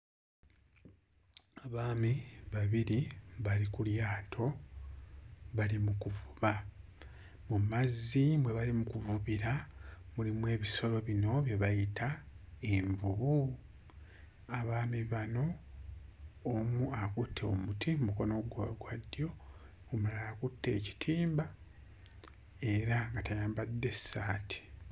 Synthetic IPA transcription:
aβaːmiβaβiɾiβalikuljaːtʰo̞ | βalimukuvuβa | mumazːimwe̞βalimukuvuβiɾamulimwe̞ːβiso̞ɾo̞βino̞βje̞βajitʰae̞ɱvuβu | aβaːmiβano̞ | muakutʰːeo̞̰mutʰimumuko̞no̞ɡwa̰ɡwadːjo̞ | omulalakutːe̞ːci̥tʰiːmba | e̞ɾaŋɡatajaːmbadːe̞sːaːtʰi̥

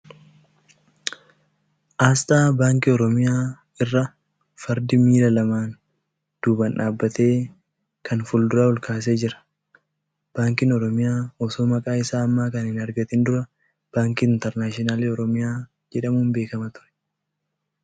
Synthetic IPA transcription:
ʔaːs̬t̪aːbaːŋkɪɔɾɔmɪjaː | ɪrːɐ | fɐɾd̪ɪmiːlɐlɐmaːn | d̪̥uːbɐnᶑaːbːɐt̪e̞ː | kɐnfʊld̪ʊɾaːʊlkaːs̬e̞ːd͡ʒɪɾɐ̥ | b̥aːŋkɪnɔɾɔmɪjaːɔsoːmɐkʼaːɪsaːɐmːaːkɐnɪnɐɾɡɐt̪ɪnd̪ʊɾɐ | b̥aːŋkiɪnt̪ɛɾnaːʃɔnaːleɔɾɔmɪjaː | d͡ʒɛᶑɐmuːnbe̞ːkɐmɐt̪ʊ̥ɾɛ̥

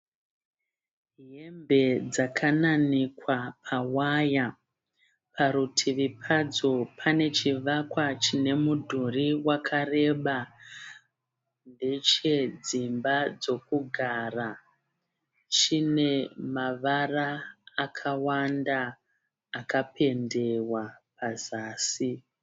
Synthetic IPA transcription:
ɦe̞mbe̞d͡zakʰananikwapʰawaja | pʰaɾutʰiʋipʰad͡zo̞pʰane̞t͡ʃiʋakwat͡ʃine̞mudʱuriwakʰare̞ɓa | nde̞t͡ʃe̞d͡zimbad͡zo̞kuɡʱara | t͡ʃine̞maʋaraːkʰawandaː | kape̞nde̞wapʰazaːsi

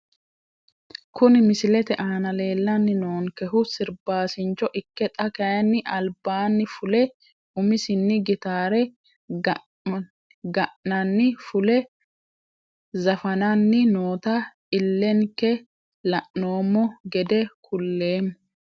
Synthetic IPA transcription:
kʊnɪmɪsɪlɛt̪ɛʔaːnɐle̞ːlːɐnːɪno̞ːŋkɛɦʊsɪɾbaːsɪnt͡ʃːɔʔɪkːɛt̪ʼɐkɐjɐnːɪʔɐlbaːnːɪfʊlɛ | ʊmɪsɪnːɪɡɪt̪aːɾɛ | ɡɐʔnɐnːɪfʊlɛ | zɐfɐnɐnːɪnoːt̪ɐ | ɪlːɛŋkːɛ | lɐʔno̞ːmːɔɡɛd̪ɛkʰʊlːe̞ːmː

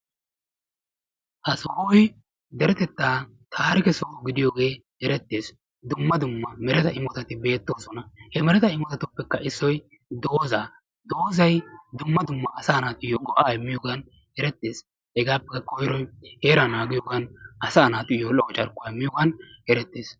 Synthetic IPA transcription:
hɐsɔhɔj | d̪ɛɾɛt̪ɛt̪ːaː | t̪ʰaːɾɪkɛsɔɡɪd̪ɪjoːɡe̞ːhɛɾɛt̪ːeːs | d̪ʊmːɐd̪ʊmːɐmɛɾɛt̪ɐɪmɔt̪ɐt̪ɪbe̞ːt̪ːo̞ːsɔnɐhɛmɛɾɛt̪ɐɪmɔt̪ɐt̪ʊpːɛkːɐɪsːɔj | d̪o̞ːzaː | d̪oːzɐjd̪ʊmːɐd̪ʊmːɐɐsaːnaːt̪ʊɪjoɡɔʔɐːjɪmːɪjoːɡɐn | hɛɾɛt̪ːeːs | hɛɡaːpːɛkːɐkɔjɾɔjheːɾɐnaːɡɪjoːɡɐnʔɐsaːnaːt̪ʊɪjolɔɡɔt͡ʃʼɐɾkʊɐɪmːɪjoːɡɐnhɛɾɛt̪ːeːs

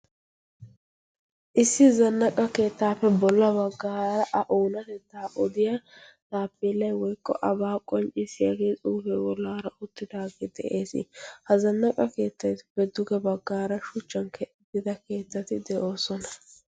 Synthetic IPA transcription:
ʔɪsːɪzɐnːɐkʼɐke̞ːt̪ːaːfːɛbɔlːɐbɐɡːaːɾɐʔɐʔoːnɐt̪ɛt̪ːaːʔɔd̪ɪjat̪aːpːeːlːɐjwɔjkːɔ̰ʔɐbaːkʼɔnt͡ʃʼɪsɪjɐɡe̞ːt͡sʼuːfewɔlːaːɾɐʊt̪ːɪd̪aːɡeːd̪̥ɛʔe̞ːsɪ̰hɐzɐnːɐkʼɐke̞ːt̪ːɐjt̪b̥ɛd̪ːʊɡɛbɐɡːaːɾɐʃʊt͡ʃːɐnkʰɛʔɪd̪ɪd̪ɐke̞ːt̪ːɐt̪ɪd̪ɛʔo̞ːsɔnɐ

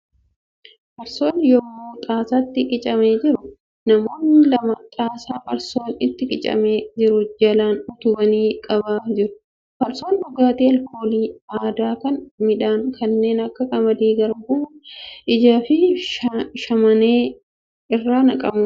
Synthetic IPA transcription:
pɐɾso̞ːnjɔɡoːt̪ʼaːsaːt̪ːɪkʼɪt͡ʃʼɐmeːd͡ʒɪɾʊ | nɐmo̞ːnɪlɐmɐt̪ʼaːsaːɐɾso̞ːnɪt̪ːɪkʼɪt͡ʃʼɐ̰meːd͡ʒɪɾʊd͡ʒɐlaːnʊt̪ʊbɐniːkʼɐbaːd͡ʒɪɾʊ̥ | pɐɾso̞ːnbʊɡaːt̪eːɐlkʰoːliːaːd̪aːkɐnmɪᶑaːŋkʰɐnːe̞ːnɐkːɐkʼɐmɐd̪eːɡɐɾɡʊːʔɪd͡ʒaːfɪ | ʃɐmɐneː | ɪrːaːnɐkʼɐmʊ

